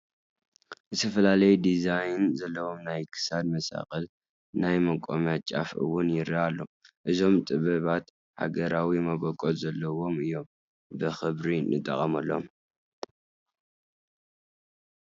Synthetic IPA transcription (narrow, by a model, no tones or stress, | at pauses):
zɨt̪ʰɐfɐlalɐjd̪izajnzɐlːɐwo̞mnajkʰɨ̥sad̪mɐsa̰kʼɐl | najmɐkʼomɐt͡ʃʼa̰fʔɨ̰wʊnjɪɾialːo̞ʔɨzo̞mt̪ʼɨβɐβat̪ | ha̰ɡɐɾawimɐβokʼolzɐlːɐwo̞mɨjːo̞m | bɨxɨβɾinɨt̪ʼːɐχʼɐmɐlːo̰m